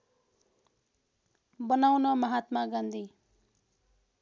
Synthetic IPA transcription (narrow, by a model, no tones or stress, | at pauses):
bʌnawnʌmʌɦat̪maɡʌnd̪ʱi